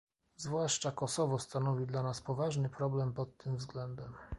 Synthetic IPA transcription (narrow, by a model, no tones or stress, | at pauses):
zvwaʂt͡ʂakɔsɔvɔst̪anɔvʲid̪lanaspɔvaʐnɘpɾɔblɛmpɔt̪ːɘmvzɡlɛnd̪ɛm